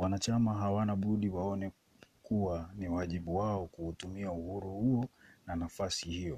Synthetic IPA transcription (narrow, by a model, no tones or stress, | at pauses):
wanat͡ʃamaɦawanaɓuɗiwaɔnɛ | kuwaniwaʄiɓuwaɔkuhutumiauhuɾuhuɔnanafasihijɔ